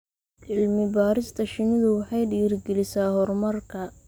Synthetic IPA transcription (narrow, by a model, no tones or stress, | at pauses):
ʕɪlmɪbaːɾɪst̪ʰɐʃɪnɪðʊwɑħɑjɖiːrɡɛlɪsaːhɔrmɐrkʰɐ